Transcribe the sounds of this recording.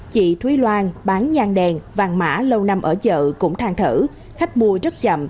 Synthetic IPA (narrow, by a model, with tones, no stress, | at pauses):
t͡ɕḭ˧˨t̪ʰwi˨˦lwaː˧nɓaː˨˦nɲaː˧ŋɗɛ˨˩nvaː˨˩ŋma̰ː˧˥lə˧wna˧mʔəː˧˩zə̰ː˧˨kʊ̰˧˥ŋ͡mt̪ʰaː˧ŋt̪ʰɨ˧˩ | xa˦˥k̟̚mu˧əzə˦˥t̚t͡ɕə̰˧˨m